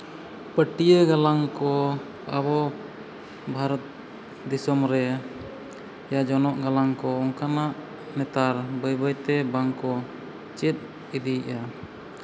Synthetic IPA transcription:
pəʈijəɡalaŋkɔ | a̰bɔ | bʱaɾɔt̪̚ | d̪isɔmɾɛ | jad͡ʒɔnɔʔɡalaŋkɔɔŋkanaʔ | nɛt̪aɾbəjbəjt̪ɛbaŋkɔ | t͡ʃɛt̪̚ | id̪iiʔa

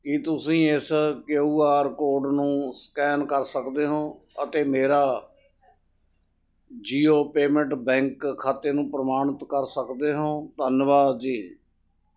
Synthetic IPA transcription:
kit̪ʊsĩːɪskːuːaːɾkoːɖnũːskɛːnkəɾsəkd̪eːɦõːət̪eːmeːɾaː | d͡ʒiːoːpeːmə̃ɳʈbɛ̃ːŋkʰːaːt̪eːnũːpɾəmaːɳət̪kəɾsəkd̪eːɦõːt̪ənʋaːd̪d͡ʒiː

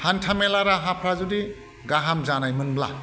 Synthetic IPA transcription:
hantʰamelaɾaɦapʰɾazudi | ɡaɦamzanajmɯnbla̰

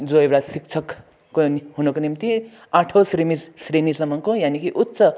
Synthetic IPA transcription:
d͡zoewɽasik̚t͡sʰʌkː | oɦunʌkonimt̪i | aʈʰosɾimisrenisʌmʌŋkojanikiʔut̪ːsʌ

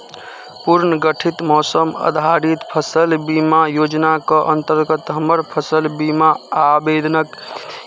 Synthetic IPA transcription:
puɾnəɡəʈʰit̪mɔsəmə̰d̪ʱaɾit̪pʰəsəlbimajod͡ʒnakəʔənt̪əɾɡət̪ɦəməɾpʰəsəlbimaabed̪ʱnək

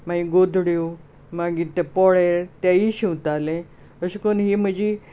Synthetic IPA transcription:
maiɡod̪ʱɽjo | maɡit̪epɔɭeɾt̪jaiɕiwt̪alẽ | əɕikonɦim̤əd͡ʑi

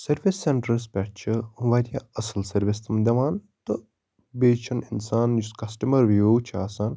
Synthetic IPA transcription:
sɐɾʋisːeɳʈɾɐɾs̬pʲɛʈ̚t͡ʃʰiʋɐɾʲijaɐsɐlsɐɾʋist̪ʰɐmd̪ʲɐʋaːn | t̪ɨ | beːt͡ʃʰɐninsaːnjuskɐsʈɐmɐɾʋijoːt͡ʃʰaːsaːn

